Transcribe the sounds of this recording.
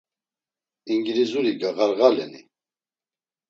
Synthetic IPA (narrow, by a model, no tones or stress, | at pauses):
iŋɡɾizuɾiɡaɣaɾɣalɛnḭ